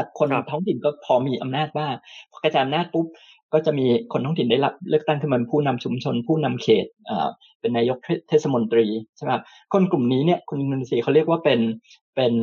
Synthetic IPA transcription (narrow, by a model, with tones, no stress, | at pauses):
kʰo˧nɾa˨˩t̪ʰɔː˦˥ŋt̪ʰi˨˩nkɔː˥˩pʰɔː˧miː˧ʔa˧mnaː˥˩t̪̚baː˥˩ŋpʰkɾa˧˩t͡ɕaː˨˩ʔa˧naː˥˩t̪̚pu˦˥p̚ | kɔː˥˩t͡ɕa˨˩ʔmiː˧kʰo˧nt̪ɔː˦˥ŋt̪i˨˩daː˥˩jla˦˥p̚lɯ˥˩kt̪a˥˩ŋkʰɯ˥˩˧pʰuː˥˩na˧mt͡ɕʰu˧mt͡ɕʰo˧npʰuː˥˩na˧mkʰeː˨˩t̪̚ʔa̰ː˨˩ | pe˧nːaː˧jo˦˥k̚t̪ʰːt̪ʰeː˦˥˩sa˧mo˧nt̪ɾiː˧t͡ɕʰe˥˩˨kʰa˦˥p̚ | kʰo˧nklu˨˩mniː˦˥ni˥˩əkʰu˧nʔi˧ndoː˧ni˧siː˧a˦wɾi˥˩ək̚waː˥˩pe˧n | pe˧n